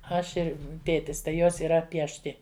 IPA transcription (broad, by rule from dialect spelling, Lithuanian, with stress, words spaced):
ˈɐʃ ˈɪr ˈtʲeːtʲɪs tɐɪ ˈjoːs iːˈrɐ pʲiɛʃʲˈtʲɪ